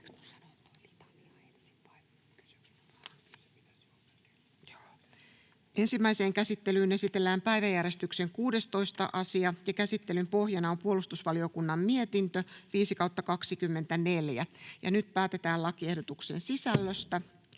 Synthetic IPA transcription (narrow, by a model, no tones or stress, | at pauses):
ʔe̞nsimːæise̞ːŋkæsit̪ːe̞lyːne̞sit̪e̞lːæːmpæjʋæjæɾe̞st̪ykse̞ŋkuːde̞st̪o̞ist̪ɑ̰ʔɑsiɑjɑkæsit̪ːe̞lympo̞hjɑnɑompuolust̪usʋɑlio̞kunːɑmmie̞t̪int̪øʋiːsikɑwt̪ːɑkɑksikymːe̞nt̪æne̞ljæjɑ̰nyt̪̚pæːt̪e̞t̪æːlɑkiehdot̪ukse̞̰nsisælːøst̪æ